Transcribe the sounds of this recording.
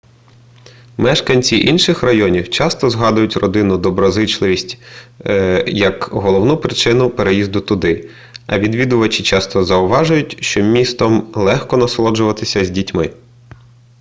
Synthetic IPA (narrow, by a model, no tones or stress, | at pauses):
mɛʃkɐnʲt͡sʲiʔinʃɪxrɐjɔnʲiwt͡ʃɑst̪ɔzɦɑd̪ʊjʊtʲrɔd̪ɪnʊd̪ɔbɾɔzɪt͡ʃlˠɪʋʲisʲtʲ | jɐkɦɔlˠɔwnupɾɪt͡ʃɪnʊpeɾejizd̪ʊt̪ʊd̪ɪ | ɐ̰ʋʲid̪ʋʲid̪ʊʋɐt͡ʃɪt͡ʃɑst̪ɔzɐʊʋɑʒʊjʊtʲʃt͡ʃɔmʲist̪ɔmlˠɛxkɔnɐslˠɔd͡ʒʊʋɐt̪ɪsʲɐzʲdʲitʲmɪ